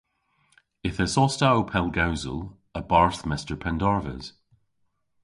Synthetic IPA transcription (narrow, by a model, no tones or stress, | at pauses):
ɪθəsɔstaopʰɛlˠɡawzə̰lˠ | əbaɹθmɪstə˞pʰɛ̃ndɔɹvə̰z̥